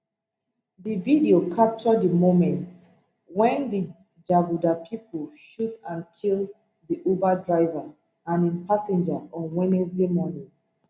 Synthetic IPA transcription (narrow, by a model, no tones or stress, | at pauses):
dividiokʰap̚t͡ʃɔdəmomɛ̃nts | wɛ̃ndi | d͡ʒavudapʰipolʃutãnkʰilˠ | diʔobadɹaɪva | ãnĩnpasɛ̃nd͡ʒaɔ̃nwɛnɛsdemɔnĩ